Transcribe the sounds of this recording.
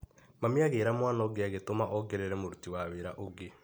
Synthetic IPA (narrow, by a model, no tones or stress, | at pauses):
mameaɣeːɾamwanɔɡeaɣetomaʔɔɡeɾeɾɛmoɾutiwaweɾaʔoɡe